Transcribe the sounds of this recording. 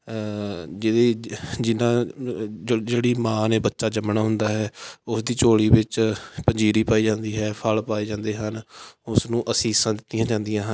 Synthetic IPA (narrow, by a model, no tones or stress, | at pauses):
d͡ʒɪdeːd͡ʒɪnãː | d͡ʒeːɽiːmãːneːbətːʃaːd͡ʒəmnaːɦʊnd̪aːɦɛːʊsd̪iːt͡ʃoːɽiːbɪt͡ʃpəɲd͡ʒiːɾiːpaːiːd͡ʒãːnd̪iːɦɛːpʰəlpaːiːd͡ʒãːnd̪eːɦənʊsnũːʔəsĩːsãːd̪ɪt̪ːijãːd͡ʒãːnd̪ɪjãːɦən